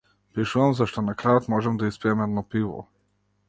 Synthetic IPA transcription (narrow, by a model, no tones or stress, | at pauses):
pɛʃuʋamzaʃt̪ɔnakɾaɔt̪mɔʒɛmd̪aispiɛmɛd̪nɔpiʋɔ̰